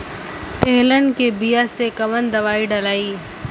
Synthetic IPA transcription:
t̪eːɦlə̃ɳɖkebijasekɐʋənd̪ɐʋaːiɖɐlaːiː

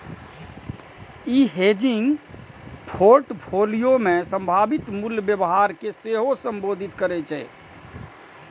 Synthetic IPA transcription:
iɦed͡ʒiŋɡ | pʰoɾʈpʰolijomẽsə̃mbʱabit̪mulbjəbɦaɾkeseɦosəmbod̪ʱit̪kəɾɛt͡ʃʰɛ

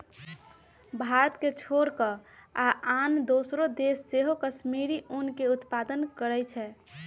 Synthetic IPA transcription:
bʱaɾət̪ket͡ʃʰoɾkəaʔand̪osɾod̪esːeɦokəʃmiɾiʔunkeut̪pad̪ənkəɾɛt͡ʃʰɛ

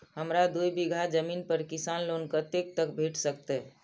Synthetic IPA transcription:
həmɾad̪ujbiɡʱad͡ʒəminpəɾkisanlonkət̪ek̚t̪əkbʱeʈsəkt̪ɛ

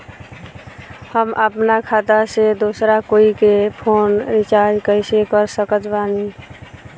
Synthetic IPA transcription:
həmʔəpnakʰat̪əsed̪osɾakoikepʰoːnɾit͡ʃaɾd͡ʒkəɪsekəɾsəkət̪bani

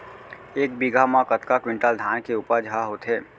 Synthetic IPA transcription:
eːk̚biɡʱamãkət̪kakwɪ̃ɳʈəld̪ʱaːnkeuːpəɾd͡ʒʱəaɦoːt̪ɦɛː

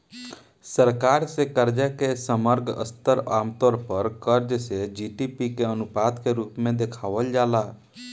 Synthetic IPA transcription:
səɾkaːɾsekəɾd͡ʒakesəməɾɡʱə̰st̪əɾaːmt̪ɔːɾpəɾkəɾd͡ʒsed͡ʒiʈipikeənupaːd̪keɾuːpmẽd̪ekʰaːʋəld͡ʒaːla

